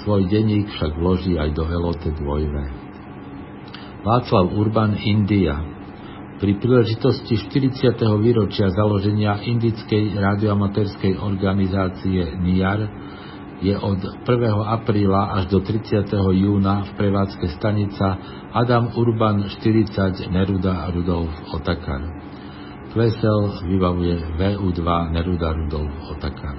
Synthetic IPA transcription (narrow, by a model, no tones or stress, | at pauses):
sʋɔjɟɛɲiːkfʃaɡʋlɔʒiːajd̪ɔɛlɔt̪ɛd̪ʋɔjʋɛ | ʋaːt͡slaʊuɾbanind̪ia̰ | pɾipɾiːlɛʒit̪ɔsciʃt̪iɾit͡sɪat̪ɛɦɔʋiːɾɔt͡ʃɪazalɔʒɛɲɪaʔind̪it͡skɛjɾaːd̪iɔamat̪ɛːɾskɛjɔɾɡanizaːt͡siɛnijaɾ | jɛʔɔt̪pr̩ʋɛɦɔapɾiːlaʔaʒd̪ɔt̪ɾit͡sɪat̪ɛɦɔjuːnafpɾɛʋaːt͡skɛst̪aɲit͡sa | ad̪amuɾbanʃt̪iɾit͡saɟnɛɾud̪aɾud̪ɔlfɔt̪aka̰ɾ | kʋɛsɛlʋibaʋujɛʋɛːuːd̪ʋanɛɾud̪aɾud̪ɔlfɔt̪aka̰ɾ